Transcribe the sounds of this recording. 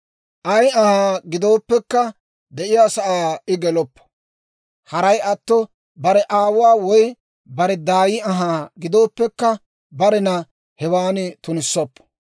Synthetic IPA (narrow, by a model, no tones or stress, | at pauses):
ʔɐjɐhaːɡɪd̪o̞ːpːɛkːɐ | d̪ɛʔɪjaːsɐʔaːɪɡɛlɔpːɐ̥ | hɐɾɐjɐt̪ːɔ | bɐɾɛʔaːwʊwaːwɔj | bɐɾɛd̪aːjɪɐɦaːɡɪd̪o̞ːpːɛkːɐ | bɐɾɛnɐ | hɛwaːnɪt̪ʊnɪsːɔpː